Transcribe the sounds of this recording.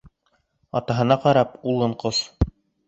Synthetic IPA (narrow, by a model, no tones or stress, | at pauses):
ɑ̰t̪ɑɦɤ̆nɑqɑɾɑpulˠːɤ̆ɴqos